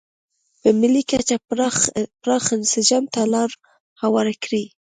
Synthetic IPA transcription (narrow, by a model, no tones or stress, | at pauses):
pəmɪlikat͡ʃa | pɾɑxɪnsɪd͡ʒɑmt̪alɑɾ | hawɑɾakɽi